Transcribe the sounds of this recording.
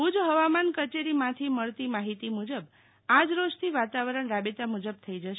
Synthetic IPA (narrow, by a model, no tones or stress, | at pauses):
ud͡ʒɦəʋamankət͡ʃeɾimãt̪ʰiməɭt̪imaɦit̪imud͡ʒəb | ad͡ʒɾod͡ʒt̪ʰiʋat̪aʋəɾəɳɾabet̪amud͡ʒəb̚t̪ʰəid͡ʒəʃ